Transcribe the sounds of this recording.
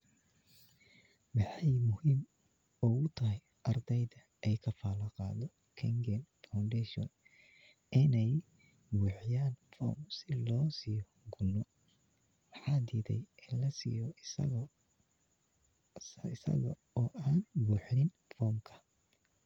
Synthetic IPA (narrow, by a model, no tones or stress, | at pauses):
mɑħɑjmʊhiːm | ʊɣʊt̪ʰɐɦɛj | ʔɐrd̪ɛjðɐ | ɛjkʰɐfaːlɐqɑːðɔ | kʰɛŋɡɛnfawnd̪ɛʃɔ̰n | ɪnɛj | buːħjaːnfɔ̰ːmsɪlɔːsiːjɔ | ɡʊnːɔ | mɑħɑːd̪iːd̪ɛ̰jɪnlɐsɪ̰jɔ | ɪsɐ̰ɣɐ̰ | ɔːʔaːnbuːħnɪn | fɔːmkʰɐ̥